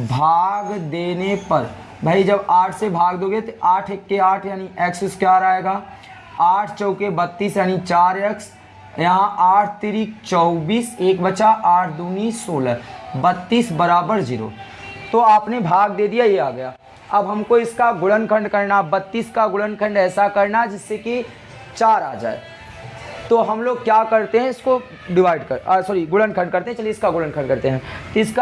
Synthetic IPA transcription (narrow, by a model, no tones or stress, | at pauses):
bʱaːɡd̪eːnepɐɾ | bʱəid͡ʒɐbaːʈʰsebʱaːɡd̪oːɡəet̪oaːʈʰekːeaːʈʰjaːniʔɛːksɪskjaːɾaːeːɡaː | aːʈʰt͡ʃɔːkebət̪ːiːsjaːnit͡ʃaːɾɛːks | jɐɦãʔaːʈʰt̪iɾikt͡ʃɔːbiːseːkbət͡ʃʃaʔaːʈʰd̪uːniːsːoːləbət̪ːiːsbəɾaːbəɾd͡ʒiːɾo̰ː | t̪oaːpnebʱaːɡd̪eːd̪ijajeaːɡɐjaː | ɐbɦɐmkoɪskaɡʊlənkʰə̃ɳɖkɐɾnabɐt̪ːiːskaɡʊɽənkʰə̃ɳɖɛːsakɐɾnad͡ʒɪsːeki | t͡ʃaːɾa̰ːd͡ʒa̰ːḛ | t̪oːɦɐmloːɡ̚kjaːkɐɾt̪eɦɛ̃ɪsko | ɖɪʋaːɪɖkɐsɔːɾiɡʊɽə̃nkʰə̃ɳɖ̚kɐɾt̪eɦɛ̃t͡ʃɐlieɪskaɡʊɭə̃nkʰə̃ɳɖkɐɾt̪eɦɛ̃t̪ɪsk